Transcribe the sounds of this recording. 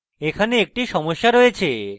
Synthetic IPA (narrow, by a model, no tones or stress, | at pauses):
ekʰaneek̚ʈiʃɔmoʃːaɾojet͡ɕʰe